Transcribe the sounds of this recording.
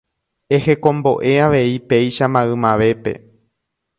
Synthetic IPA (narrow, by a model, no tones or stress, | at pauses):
e̞he̞kõ̞mbo̞ʔe̞aʋe̞ipe̞jʃamãɨmãʋe̞pe̞̰